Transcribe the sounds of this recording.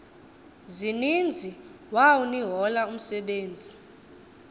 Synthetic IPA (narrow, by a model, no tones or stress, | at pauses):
zinind͡zʱi | wawuniɦɔlaum̩sɛɓeːnd͡zʱi